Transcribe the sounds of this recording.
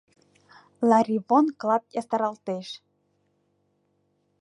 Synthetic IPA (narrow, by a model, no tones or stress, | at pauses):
lɑɾʲiβonklˠɑp̚jɑst̪ɑɾɑlt̪eʃ